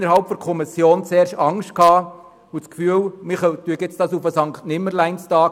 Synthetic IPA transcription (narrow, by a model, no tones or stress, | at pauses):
nəɾhɑlpfɔɾkʰɔmisjoːnt͡sɛːɾʃɑŋʃtkhɑː | ʊt͡skfyːəlmɪχœt̪yəkɛt͡stɑsufəsɑŋktnɪmːəɾlæɪnstɑːk